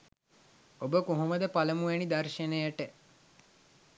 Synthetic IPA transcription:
obəkoɦuməd̪əpaləmuʋenid̪arʃənəjəʈə

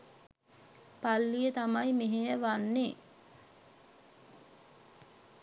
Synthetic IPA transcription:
palːijət̪amajmeɦejəʋanːe

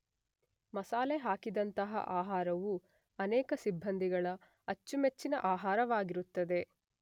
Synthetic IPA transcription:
mɐsaːleɦaːkid̪ɐnt̪ɐɦɐ̰ʔaːɦaːɾɐʋu | ɐnɛːkɐsibʱːɐnd̪ʱiɡɐɭɐ | ɐt͡ʃːumet͡ʃːinɐ̰ʔaːɦaːɾɐʋaːɡiɾut̪ːɐd̪e̞

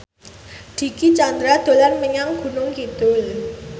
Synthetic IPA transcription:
d̪̥i̤kit͡ʃand̪ɾad̪̥o̤lanməɲaŋɡ̥ṳnʊŋkit̪ʊl

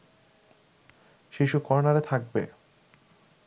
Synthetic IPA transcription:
ʃiʃukɔɾnaɾet̪ʰak̚bḛ

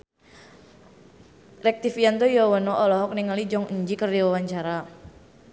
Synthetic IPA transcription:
rɛk̚t̪ifiant̪ojɔwɔnɔʔɔlɔɦɔk̚niŋalid͡ʒɔŋəɲd͡ʒikərdiwawaɲt͡ʃaɾa

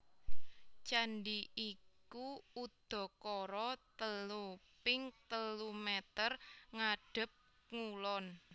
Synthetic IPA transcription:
t͡ʃanɖiikuud̪̥ɔ̤kɔɾɔt̪əlupɪŋt̪əlumɛt̪ərŋaɖ̥ə̤p̚ | ŋulɔn

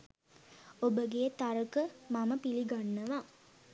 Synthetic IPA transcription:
obəɡet̪aɾəkəmaməpiliɡanːəʋa

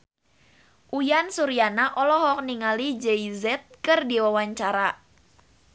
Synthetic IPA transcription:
ʔujansuɾianaʔɔlɔɦɔk̚niŋalid͡ʒɛizɛt̪̚kɨrdiwawaɲt͡ʃaɾa

